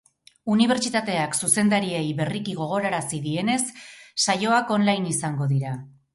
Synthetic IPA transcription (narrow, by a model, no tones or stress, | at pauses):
uniβ̞e̞ɾt͡ʃit̪at̪e̞aksuse̞nd̪aɾiejβe̞rikiɣ̞o̞ɣ̞o̞ɾaɾasiðie̞ne̞sːajo̞ako̞nlajnisaŋɡo̞ðiɾa